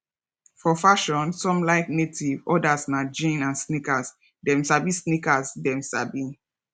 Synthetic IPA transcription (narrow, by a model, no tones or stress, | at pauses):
fɔfaʃɔ̃nsɔ̃mlaɪk̚netʰivɔdasmad͡ʒĩnãnsnikas | dɛ̃msabisnikasdɛ̃msa̰bi